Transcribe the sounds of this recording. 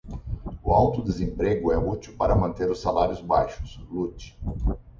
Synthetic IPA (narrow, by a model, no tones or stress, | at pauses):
ʊawt̪ʊd̪ezẽmpɾeɡʊɛut͡ʃ̪iwpaɾɐmɐ̃nt̪eɾʊsalaɾjʊzbajʃʊ̥slut͡ʃɪ̥